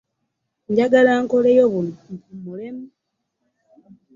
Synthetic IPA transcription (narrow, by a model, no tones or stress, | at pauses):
ɲɟaɡalaːŋko̞lejoβunoumulemu